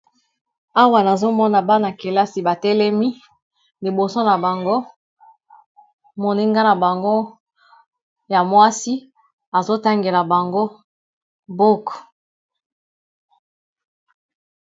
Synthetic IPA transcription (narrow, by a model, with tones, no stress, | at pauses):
a˦wa˨na˨zo˦mɔ˦na˨ba˦na˨ke˨la˦si˨ba˨tɛ˦lɛ˦mi˦ | li˨bo˨so˦na˨ba˨ŋɡo˦ | mo˨ni˦ŋɡa˦na˨ba˨ŋɡo˦ | ja˨mwa˦si˦ | a˨zo˦ta˦ŋɡe˨la˨ba˨ŋɡo˦ | bo˦k